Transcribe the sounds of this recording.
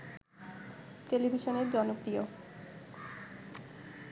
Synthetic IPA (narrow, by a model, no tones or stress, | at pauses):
ʈelibʱiʃoneɾd͡ʑɔnopɾio